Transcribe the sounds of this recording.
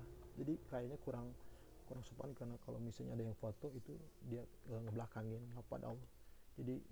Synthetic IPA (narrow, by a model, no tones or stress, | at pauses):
d͡ʒadirajaɲakuɾaŋ | kuɾaŋsupaankəɾnakalo̰wmisalɲadajaŋfot̪oit̪udiaəŋəblakaŋɪnlapa̰d̪a̰ʊrd͡ʒadi